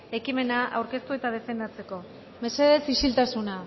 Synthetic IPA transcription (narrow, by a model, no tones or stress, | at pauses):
e̞kime̞naʔa̰wɾke̞st̪ue̞t̪að̞e̞fe̞nd̪at͡se̞ko̞ | me̞se̞ðe̞sisilt̪asuna